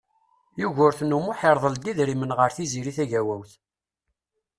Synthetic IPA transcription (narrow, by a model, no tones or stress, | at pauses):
juʝʊɾθnumʊħeɾðˤəld̪iðɾimənʁəɾθiziɾiθæʝæwæwθ